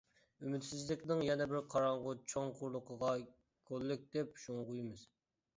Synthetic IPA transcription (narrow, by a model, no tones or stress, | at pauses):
ymyt̪sɪzlɪkʲnɪŋjɛnɛbɪɾqʰɑɾɑɴʁʊt͡ʃʰoŋqʰʊɾlˠʊqʰəʁɑ | kʲʰolːɪk̚ʲd̪̥ɛpʃoŋʁujɪmɨz̥